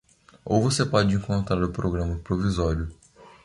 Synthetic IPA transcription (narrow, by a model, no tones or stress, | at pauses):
o̰wvosepɔd͡ʒɪẽŋkõnt̪ɾaɾʊpɾoɡɾɐ̃mɐpɾovizɔɾiʊ